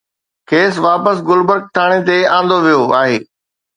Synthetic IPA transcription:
kʰeːsʋaːpəsɡʊlbəɾk̚t̪ʰaːɽ̃et̪eãːn̆d̪oʋijoaːɦeː

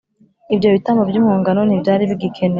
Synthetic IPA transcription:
ibjo̞βitamobɟjuːmhuːŋɡano̞nibjaːɾiβiɡikʰene

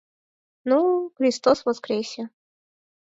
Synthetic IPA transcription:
nuxɾʲist̪osvɔskɾʲesʲə

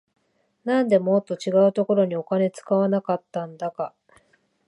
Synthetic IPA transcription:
nãnd̪e̞mot̪ːo̞t͡ɕiɡaɯ̟t̪o̞ko̞ɾo̞ɲ̟io̞kane̞t͡sɨ̥kaβanakat̪ːãnd̪aka

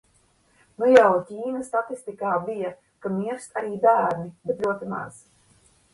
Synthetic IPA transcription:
nujawcʲiːnast̪at̪ist̪ikaːbija | kamiɛɾst̪aɾiːbæːɾnibɛt̪lʲuɔt̪ima̰z̥

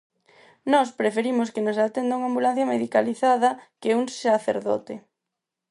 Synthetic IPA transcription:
nɔspɾefeɾimʊskenosat̪end̪auŋambulan̟θjɐmeðikaliθaðɐkeuŋsaθḛɾðɔ̰t̪e

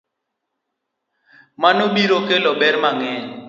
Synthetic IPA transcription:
manoɓiɾokelɔɓɛɾmaŋɛɲ

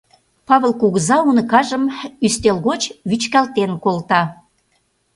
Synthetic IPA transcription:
pɑβəlkuɣəzɑunə̆kɑʒəmyst̪elɣot͡ɕβyt͡ɕkælt̪enkolt̪ɑ

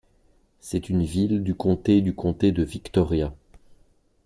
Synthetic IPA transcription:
sɛt̪ynvild̪ykɔ̃t̪ed̪ykʰɔ̃t̪ed̪əvikt̪ɔʁja

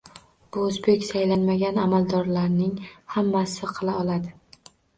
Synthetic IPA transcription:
b̥ʊozbe̞kʲsajlanmaɡʲanamalˠd̪ɒɾlaɾnɪŋhamːasɪqʰɨlˠaɒlˠad̪ɪ

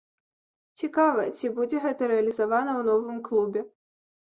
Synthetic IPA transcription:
t͡sʲikavɐt͡sʲibud͡zʲɛɣɛt̪ɐɾɛɐlʲizavanɐwnɔvɨmklˠubʲɛ

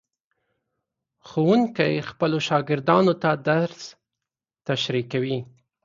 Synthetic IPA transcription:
xowuŋkajxpəloʃɑɡɪɾd̪ɑnot̪ad̪aɾs | t̪aʃɾikawi

